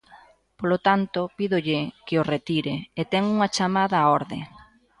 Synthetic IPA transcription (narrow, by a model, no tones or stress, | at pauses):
polot̪ant̪ʊpiðʊʎɪkɪoret̪iɾɪet̪ɛŋuŋɐat͡ʃamaðɐɔɾðɪ̰